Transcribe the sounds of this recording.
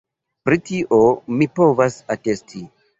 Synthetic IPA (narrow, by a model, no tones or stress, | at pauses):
pɾitiʔomipo̞vasatestʰi